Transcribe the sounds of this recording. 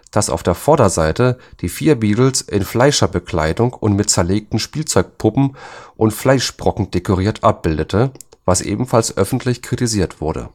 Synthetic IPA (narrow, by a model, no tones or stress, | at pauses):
d̥asa̰ʊfd̥eːɐfɔɐdɐzaɪtəd̥iːfiːɐbiːtl̩sʔɪnflaɪʃɐbəkl̥a̰ɪdʊŋʊntmɪt̚t͡sɛɐleːk̚tn̩ʃpiːlt͡sɔʏk̚pʰʊpm̩ʔʊntflaɪʃb̥ʁ̥ɔkŋ̩d̥ekoʁ̞iːɐtʰʔap̚b̥ɪldətʰəvasʔḛːbm̩falsʔœfn̩tʰlɪçkʁ̥itiziːɐtv̥ʊɐɾə̰